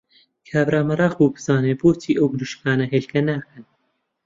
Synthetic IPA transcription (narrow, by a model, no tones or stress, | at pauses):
kʰaːbɾaːmɐrˤɑːχbuːbɨz̥aːneːboːtʰiːʔɐwbɨnuʃkʰaːnɐɦeːlkʰɐnaːkɐn